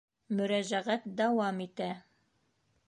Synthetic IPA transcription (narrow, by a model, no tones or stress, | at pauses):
mɵ̆ɾæʒæʁæt̪̚d̪ɑwɑmit̪æ